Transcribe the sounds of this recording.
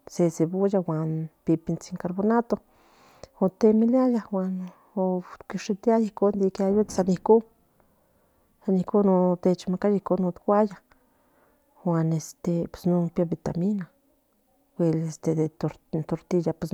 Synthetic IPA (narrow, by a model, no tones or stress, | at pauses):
sesebujawʷanpipint͡siŋkaɾbonat̪o | ot̪emiljajawan | okiʂit̪jajikond̪ikeajut̪sanihku | sanihkunot̪et͡ʃmakajikonut̪kʷaja | xwanest̪epe̥snupjabit̪amina | wʷelest̪ed̪et̪oɾt̪oɾt̪ijapes